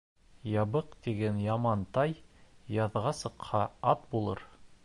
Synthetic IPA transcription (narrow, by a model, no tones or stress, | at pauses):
jɑβɤqt̪iɡænjɑmɑnt̪ɑjjɑðʁɑsɤ̆qhɑɑt̪̚bulˠɤ̰ɾ